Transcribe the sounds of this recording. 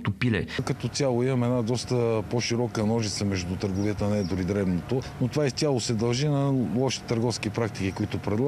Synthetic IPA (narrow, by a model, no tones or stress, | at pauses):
t̪opilɛ̰kɐt̪ɔt̪ʲalˠoimɐmɛd̪nad̪ɔst̪əpoʃiɾɔkənɔʒit̪səmɛʒd̪ut̪əɾɡoviət̪ənɛd̪oɾid̪ɾɛbnot̪onot̪ovaist̪ʲalˠosɛd̪ɐlˠʒinɐlˠɔʃi̥t̪əɾɡɔfskipɾak̚t̪ikikoit̪opɾɛd̪lˠa